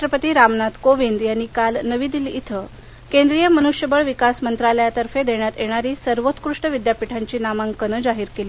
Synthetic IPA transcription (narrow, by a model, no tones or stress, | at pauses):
ʈɾəpət̪iːɾamnat̪koʋind̪jaɽ̃ikalnəʋiːd̪ilit̪ʰə | kend̪ɾijəmənuʂjəbəɭʋikasmənt̪ɾaləjat̪əɾfed̪eɽ̃jat̪jeɽ̃aɾiːsəɾʋot̪kɾuʂʈəʋid̪japiʈʰaɲt͡ɕiːnamãŋkənəd͡zaɦiːɾkeli